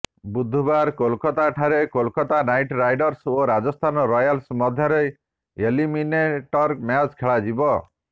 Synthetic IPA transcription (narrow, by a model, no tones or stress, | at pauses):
bud̪ʱːubaɾkolkɔt̪aʈʰaɾekolkɔt̪anajʈɾajɖɔɾsoɾad͡ʒɔst̪ʰanɔɾɔjalsmɔd̪ʱjɔɾej | elimineʈɔɾmjat͡ʃkʰeɭad͡ʒibɔ